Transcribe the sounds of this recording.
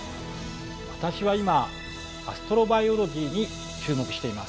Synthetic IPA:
βat̪aɕiβaima | asɨ̥t̪o̞ɾo̞baio̞ɾo̞ʑʲiːɲ̟i | t͡ɕɨːmo̞kɯ̟̥ɕi̥t̪e̞imas

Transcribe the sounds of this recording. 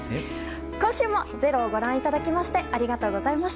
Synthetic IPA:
kõɰ̃ɕɨːmo̞ze̞ɾo̞ːɡo̞ɾãɰ̃it̪ad̪akʲimaɕi̥t̪e̞ʔaɾʲiɡat̪o̞ːɡo̞zaimaɕi̥t̪

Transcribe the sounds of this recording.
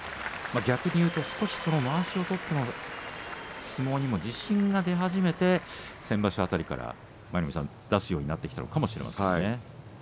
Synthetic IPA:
maɡʲakɯ̟ɲ̟ijɯːt̪o̞sɨ̥ko̞ɕi̥so̞no̞maːɕio̞t̪o̞t̪ːe̞no | t͡sɨmo̞ːɲ̟imo̞d͡ʑiɕĩŋɡad̪e̞ɦaʑime̞t̪e̞sẽ̞mbaɕiat̪aɾʲika̰ɾa̰ | maɾʲimʲisã̰n | d̪asɨjo̞ːɲ̟inat̪ːekʲi̥t̪a̰nokamo̞ɕiɾe̞ma̰sḛ̃ane

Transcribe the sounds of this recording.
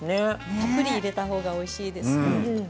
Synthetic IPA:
nekapːɯ̟ɾʲiːɾe̞t̪aɦo̞ːɡao̞iɕiːd̪e̞sɨ̃

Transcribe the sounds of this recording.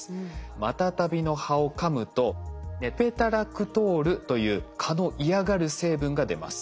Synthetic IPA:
mat̪at̪abʲino̞hao̞kamɯ̟t̪o̞nepe̞t̪aɾakɯ̟t̪o̞ːɾɯ̟t̪o̞jɯ̟ːkʰano̞ʔiaɡaɾɯ̟se̞ːbɯ̟̃ŋɡad̪e̞̰ma̰sɨ̥

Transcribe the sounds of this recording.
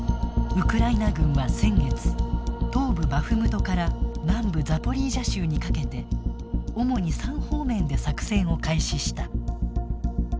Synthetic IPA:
ɯ̟kɯ̟ɾainaɡɯ̟̃ɰ̃βasẽ̞ŋɡe̞t͡sɨ̥t̪o̞ːbɯ̟baɸɯ̟mɯt̪o̞kaɾanãmbɯ̟d͡zapo̞ɾʲiːʑaɕɨːɲ̟ikake̞t̪e̞ | o̞mo̞ɲ̟isãɰ̃ho̞ːmẽ̞nd̪e̞sakɯ̟̥sẽ̞ɰ̃o̞kaiɕiɕi̥t̪a

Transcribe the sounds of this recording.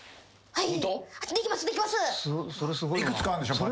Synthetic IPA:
haiaɨd̪eikimasod̪eikʲimasɨsso̞ɾesɨɡoiikɯt͡sɨ̥kãnd̪eɕopɾ

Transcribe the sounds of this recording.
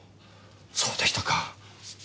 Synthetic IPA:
soːd̪eɕʲi̥t̪aka

